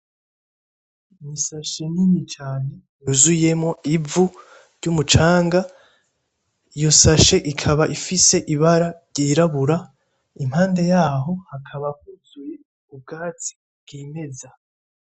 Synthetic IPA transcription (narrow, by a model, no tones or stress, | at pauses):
misaʃe̞ninit͡ʃaːne̞ | juzuje̞mŋo̞ivu | ɾɟumut͡ʃaːŋɡa | ijo̞saʃe̞ʔikʰaβaʔifise̞ʔiβaɾaɾɟiɾaβuɾa | imhaːnde̞jaːɦo̞hakʰaβak̚uzuje̞ | ub̚ɡaːt͡si̥ | bɡ̥ime̞za